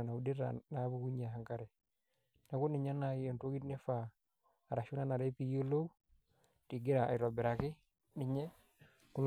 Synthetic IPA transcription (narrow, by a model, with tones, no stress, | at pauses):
na˨udi˦ɾa̰nabuku˦ɲaɦaŋkaɾe˨ | na˨ku˦ni˨ɲa˦naonto˦ɡi˦tne˦fa˨ | aɾa˨ʃu˦na˦na˨ɾe˦pijo˦lo˦w | ti˨ɡi˦ɾaa̰˨ɾo˨be˨ɾaki˦ | ni˨ɲe˦ | ku˦l